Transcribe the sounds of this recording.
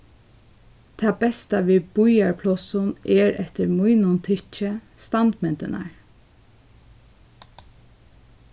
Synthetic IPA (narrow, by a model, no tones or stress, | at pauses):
t̪ʰaːbɛst̪aʋiːbʊjaɹpʰlɔsʊnɛɹɛt̪əɹmujnʊnt̪ʰɪt͡ʃəst̪ɑnt̪mɛnt̪ɪna̰ɹ